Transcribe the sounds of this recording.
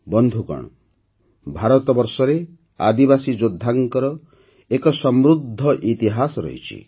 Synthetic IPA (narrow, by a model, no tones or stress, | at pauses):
bɔnd̪ʱukɔ̰ɳ̃ɔ | bʱaɾɔt̪ɔbɔɾsɔɾe | a̰d̪ibasid͡ʒod̪ʱːaŋkɔɾɔ | ekɔsɔmɾud̪ʱːɔʔit̪iɦasɔɾɔ̰ɦḭt͡ʃʰḭ